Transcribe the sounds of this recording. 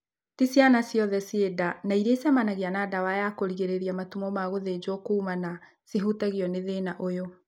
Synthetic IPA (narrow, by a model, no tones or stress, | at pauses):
tisjanasjɔðɛsiedanaiɾesamanaɣianadawajakoɾiɣeɾeɾiamatumɔmaɣoðed͡ʑɔkoumana | seɦutaɣiɔneðenaʔojo